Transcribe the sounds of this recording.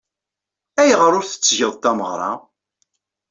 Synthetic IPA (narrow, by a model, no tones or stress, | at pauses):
æjʁəɾʊɾθə̥t͡sːʝəðˤt̪æməʁɾˤɑ̰